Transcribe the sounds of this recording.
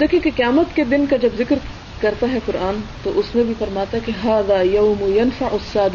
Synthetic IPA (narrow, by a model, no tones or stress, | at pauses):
d̪eːkʰjẽkeqɐjaːmət̪ked̪ɪnkad͡ʒɐbzɪkɾ | kɐɾt̪aɦɛkʊɾaːnt̪oʔʊsmẽbʱifɐɾmaːt̪aɦɛkeɦaːðaːjɐːmʊjɐnfaʕʊsːaːd̪ɪ